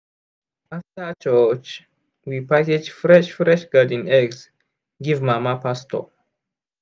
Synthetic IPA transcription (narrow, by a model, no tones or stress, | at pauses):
aftət͡ʃət͡ʃ | wipaked͡ʒfɹɛʃfɹɛʃɡadĩnɛɡs | ɡivmamapʰastʰɔ̰